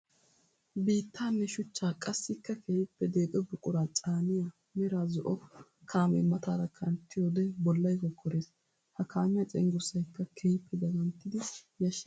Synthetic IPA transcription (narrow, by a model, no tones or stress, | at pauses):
biːt̪ːaːnːɛʃʊt͡ʃːaːkʼɐsːɪkːɐkʰejɪpːɛd̪e̞ːkʼɛbʊkʼʊɾaːt͡sʼaːnɪja | mɛɾaːzɔʔɔ | kʰaːmɛ̰mɐt̪aːɾɐkʰɐnt̪ːɪjoːd̪ɛbɔlːɐjkɔkʰːɔɾe̞ːs | hɐkʰaːmɪjɐt͡sʼɛ̰ŋɡʊɾsɐjkːɐkʰɛjɪpʰːɛdɐɡɐnt̪ːɪd̪ɪjɐʃ